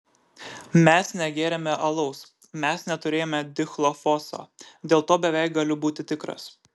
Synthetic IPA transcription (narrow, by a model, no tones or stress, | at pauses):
mʲɛsnʲɛɡʲeːɾʲɛmʲɛʔɐlˠɐʊs | mʲɛsnʲɛt̪ʊɾʲeːjoːmʲɛd̪ʲɪxlˠofɔso̰ːd̪ʲeːlˠt̪oːbʲɛʋʲæˑɪkɡɐlʲʊbuːt̪ʲɪt̪ʲɪkɾɐ̰s